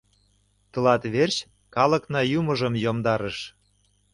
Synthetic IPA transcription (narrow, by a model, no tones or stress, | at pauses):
t̪ɤ̆lɑt̪βert͡ɕ | kɑlɤ̆knɑjumɤ̆ʒə̆mjomd̪ɑɾə̆ʃ